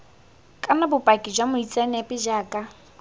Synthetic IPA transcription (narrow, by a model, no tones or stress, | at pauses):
kʼanabʊpʼakʼɪd͡ʒwamʊit͡sʼanapʼɪd͡ʒaːkʼa